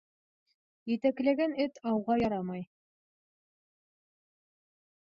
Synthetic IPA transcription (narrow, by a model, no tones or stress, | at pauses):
jɘ̆t̪æklæɡænɘt̪ʰɑwʁɑjɑɾɑmɑj